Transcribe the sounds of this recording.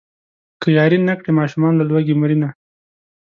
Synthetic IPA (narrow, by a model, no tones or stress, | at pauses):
kəjɑɾinakɽemɑʃumɑnlalwaɡemɾina